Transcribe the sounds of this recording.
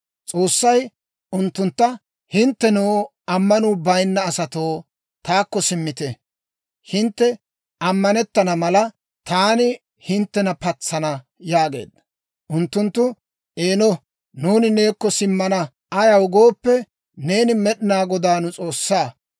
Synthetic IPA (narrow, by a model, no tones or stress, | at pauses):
t͡sʼo̞ːsːɐj | ʔʊnt̪ːʊnt̪ːɐ | hɪnt̪ːɛnoː | ɐmːɐnʊbɐjnːɐːsɐt̪o̞ː | t̪aːkːɔsɪmːɪt̪ɛ | hɪnt̪ːɛ | ɐmːɐnɛt̪ːɐnɐmɐlɐ | t̪aːnɪ | hɪnt̪ːɛnɐpɐt͡sːɐnɐ | jaːɡe̞̰ːd̪ɐ | ʔʊnt̪ːʊnt̪ːʊ | ʔeːnɔ | nuːnɪne̞ːkːɔsɪmːɐnɐ | ɐjɐwʊɡo̞ːpːɛ | ne̞ːnɪmɛɗɪnaːɡɔd̪aːnʊt͡sʼo̞ːsːaː